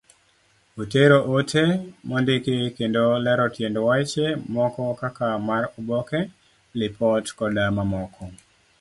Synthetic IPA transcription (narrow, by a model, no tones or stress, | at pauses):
oteɾoʔotʰemɔndɪkekendolɛɾɔtjendowat͡ʃemɔkɔkakamaɾubɔkɛ | lɪpʰɔtkɔdamamɔkʰɔ